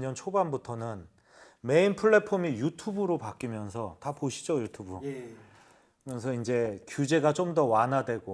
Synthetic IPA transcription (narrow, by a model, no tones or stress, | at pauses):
ɲʌnt͡ɕʰobanbutʰʌnɯn | me̞inpʰɯɭːe̞pʰomijutʰubɯɾopak͈imjʌnsʰʌtapoɕʰi̥d͡ʑojutʰubu | kɯmʌnsʰʌind͡ʑe̞kjud͡ʑe̞ɡat͡ɕomdʌwanɦadwe̞ɡo